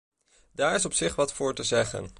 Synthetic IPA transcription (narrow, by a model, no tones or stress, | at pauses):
daːɹɪs̬ɔpsɪχʋɑtfʊːɹtəzɛχə̰n